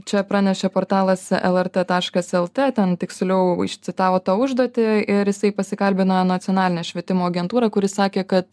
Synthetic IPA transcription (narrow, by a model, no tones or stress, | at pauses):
t͡ʃʲɛpɾɑːnʲɛʃʲɛpoːɾt̪ɑːlˠɐsɛ̰lˠɛrt̪et̪ɑːʃkɐsɛlˠt̪ʲeːt̪ʲɛnt̪ʲɪksʲlʲɛʊɪ̰ʃʲt̪sʲɪt̪ɑːʋoːt̪ɑːʊʒd̪oɔːt̪ʲɪɪɾjɪsɐɪpɐsʲɪkɐlʲbʲɪnoːɛnɐt̪sʲɪɔnɑːlʲɪnʲɛːʃʲʋʲiɛt̪ʲɪmoːɐɡʲɛnt̪uːɾɐkʊɾʲɪsɑːkʲeːkɐt̪